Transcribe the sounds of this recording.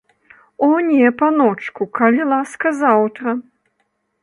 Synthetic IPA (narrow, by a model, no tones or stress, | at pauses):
ɔnʲɛpanɔt͡ʂkukɐlʲilˠaskɐzawt̪ɾɐ